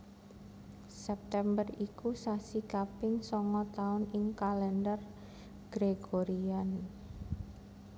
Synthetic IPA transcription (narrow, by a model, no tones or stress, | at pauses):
sɛp̚t̪ɛmbərikusasikapɪŋsɔŋɔt̪aʊnɪŋkalɛndər | ɡ̥ɾeɡoɾian